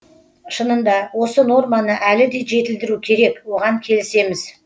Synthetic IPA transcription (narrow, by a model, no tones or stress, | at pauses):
ʃənənd̪ɑwo̞səno̞rmɑnəʔælɪd̪e̞jʒe̞t̪ɪld̪ɪɾukʲʰe̞ɾe̞kwo̞ʁɑŋkʲʰe̞lɪse̞mɪz